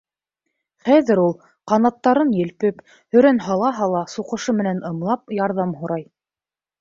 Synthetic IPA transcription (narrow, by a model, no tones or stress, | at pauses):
χæðɘɾulˠ | qɑnɑt̪ːɑɾɤnjɘ̆lpɘp | hɵ̆ɾænɦɑlˠɑɦɑlˠɑsuqɤ̆ʃɤmɘ̆nænɤ̆mlˠɑp̚jɑɾðɑmɦŏɾɑj